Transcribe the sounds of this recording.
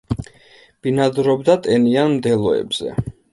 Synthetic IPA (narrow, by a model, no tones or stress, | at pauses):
b̥inad̪ɾɔbd̪at̪ʼɛnianmd̪ɛlˠɔɛ̰bz̥ɛ̰